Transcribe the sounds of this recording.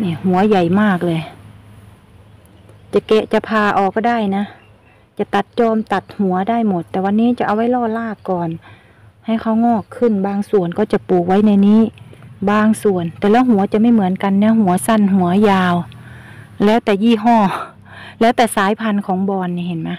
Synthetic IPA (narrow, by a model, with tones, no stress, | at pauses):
niː˧˩˨hu˨˦ɐja˨˩jmaː˧˥˩k̚lɤː˧j | t͡ɕa˧˩kɛ˧ʔt͡ɕa˧˩pʰaː˧ʔɔː˨k̚ːɔː˧˩da˥˩jna˦˥ | t͡ɕa˧˩˨t̪a˧˩t̪̚t͡ɕɔː˧˨mt̪a˨˧˩t̪̚hu˨˦ɐda˥˩jmo˧˦t̪ːɛː˨˩wa˧nːiː˦˥˨t͡ɕa˧˩ʔa˧wa˧˥jlɔː˧˩laː˧˩kːɔː˨˩n | ha˧˩jkʰa˧˩wŋɔː˧˩kʰːɯ˧˩˨nbaː˧ŋsu˨˩ənkɔː˧˩t͡ɕa˧˩˦puː˨˩k̚wa˧˥jna˧niː˧˥˨baː˧ŋsu˨˩ənt̪ɛː˨˩lɛː˧˥wɦu˨˦ɐt͡ɕa˨ma˧˩˨jmɯ˨˦ənka˧˨nːa˧˥ɦu˨˦ɐsa˧˥˩nɦu˨˩˦ɐjaː˧w | lɛː˦˥wt̪ɛː˨˩jiː˧˩ɦɔː˧˩˨ | lɛː˦˥wt̪ɛː˨˩saː˨˦jpʰa˧nkʰɔː˨˦ŋbɔː˧nːiː˧he˨˦nmaː˧˥